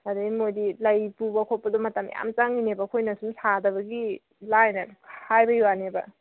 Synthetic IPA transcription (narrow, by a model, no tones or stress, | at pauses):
adimojdilɐjpubɐkʰopɐdumɐtɐm̰ja̰mt͡ʃaŋinebɐkʰojnɐsumsadɐβɐɡi | lajnakʰhajbɐjuwanebɐ